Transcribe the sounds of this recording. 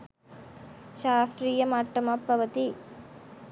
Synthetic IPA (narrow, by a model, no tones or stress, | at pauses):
ʃaːsɾiːjɐmaːʈːɐmɐpːɐʋɐt̪i